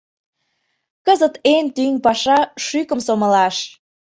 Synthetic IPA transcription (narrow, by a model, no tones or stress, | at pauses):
kəzət̪ent̪ynpɑʃɑʃykəmsoməlɑʃ